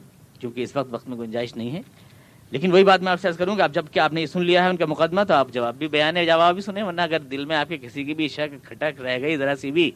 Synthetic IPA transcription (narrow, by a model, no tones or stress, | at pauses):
kjõːkeɪsʋɐq̚t̪ʋɐqt̪mẽɡʊnd͡ʒaːɪʃnɐɦĩɦɛː | leːkɪnʋoɦibaːt̪mɛ̃aːpseaːskɐɾũkiɐp̚d͡ʒɐbkeaːpnejesʊnlijaɦɛʊnkamʊqəd̪mat̪oaːpd͡ʒɐʋaːbːʱibɐjaːnẽd͡ʒɐʋaːbbʱisʊnẽʋɐɾnaɐɡəɾd̪ɪlmẽaːp̚kikɪsik̬ibʱiʃɐkkʰːɐʈəkɾɛɦɡɐizɐɾasibʱi